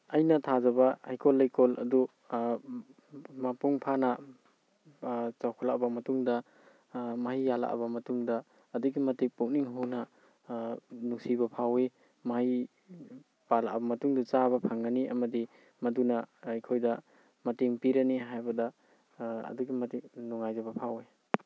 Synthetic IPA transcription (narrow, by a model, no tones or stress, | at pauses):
ɐjnɐtʰazɐβɐajkʰolːajkʰolɐ̰du | mapuŋpʰanɐ | t͡ʃawkʰɔlaʔbɐmɐtuŋdɐ | maɦijala̰ʔɐ̰bɐmɐtuŋdɐː | duɡimɐtik̚puk̚niŋɦuwnɐ | nusibɐpʰawe | mahi | pala̰ʔbɐmɐtuŋdut͡ʃaβɐpʰaŋːaniʔɐ̰mɐdi | mɐdunɐjkʰojdɐ | mɐtiŋpiɾɐniɦajbɐdɐ | ɐ̰duɡimɐtik̚nuŋajzabɐpʰawe